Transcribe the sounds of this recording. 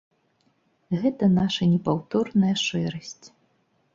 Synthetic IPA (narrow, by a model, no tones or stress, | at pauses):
ɣɛt̪ɐnaʂɐnʲɛpawt̪ɔrnɐjɐʂɛɾɐsʲt͡sʲ